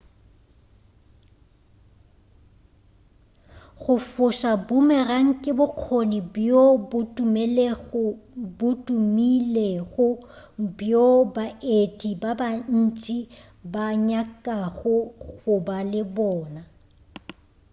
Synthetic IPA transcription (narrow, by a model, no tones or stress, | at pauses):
ɣʊfʊʃabʊmɛraŋ̩kʼɪbʊq͡χʰonibjobʊtʼumeleɣʊbʊtʼumileɣʊ | bjobaetʼibaban̩t͡ʃʼi | baɲakʼaɣʊɣʊbalɪbɔːna